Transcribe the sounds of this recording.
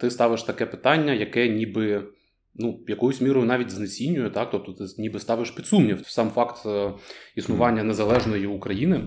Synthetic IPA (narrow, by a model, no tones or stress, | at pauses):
t̪ɪst̪ɑʋɪʃt̪ɐkɛpɪ̥t̪ɑnʲːɐjɐkɛnʲibɪ | nujɐkɔjʊsʲmʲiɾɔjʊnɑʋʲitʲznesʲinʲːʊjɛt̪ɑk̚t̪ɔp̚t̪ɔt̪ɪnʲibɪst̪ɑʋɪʃpʲid̪sumnʲiwsɑmfɑkt̪ | isnʊʋɑnʲːɐnezɐlˠɛʒnɔjiːkɾɐjinɪ